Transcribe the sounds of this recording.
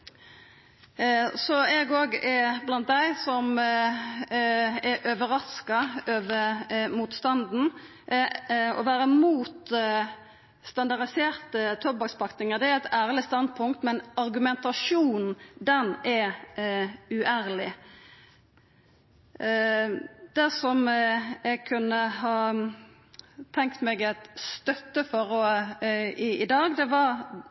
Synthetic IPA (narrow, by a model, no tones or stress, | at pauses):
sɔɛɡoːɡɛblɑnt̪̚d̪æɪsɔm | ɛʔøʋəɾɑskɑøːʋəɾmuːt̪st̪ɑnd̪n̩ | ɔ̰ʋæːɾəmuːt̪ | st̪ɑnd̪ɑʁd̪ɪseːʁt̪ət̪ʰɔbɑkspʰɑkt̪ɪŋəʁd̪ɛææɪt̪ʰæːʁlɪst̪ɑnd̪̚pʰʊŋk̚t̪mɛnɑɾɡʉmɛnt̪ɑʂuːnn̩d̪ɛnɛ | ʉʔæːɾlɪ | d̪æsɔmɛɡ̚kʰʉnːəɦɑː | t̪ʰɛŋk̚t̪meːɡɛt̪st̪œt̪ːəfɔʁɔ | ɪɪd̪ɑːɡd̪ɛʋɑɾ